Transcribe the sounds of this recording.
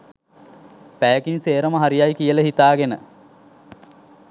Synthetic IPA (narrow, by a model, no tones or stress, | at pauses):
pæjəkinseːɾəməɦaɾijajkijələɦit̪aːɡenə̰